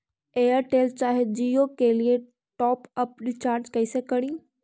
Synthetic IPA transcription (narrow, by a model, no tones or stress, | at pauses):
eːəɾʈeːlt͡ɕaːɦed͡ʑiːokelie | ʈɔːpəp̚ɗɪt͡ɕaːɾd͡ʑkɐisekɐɽ̃ĩː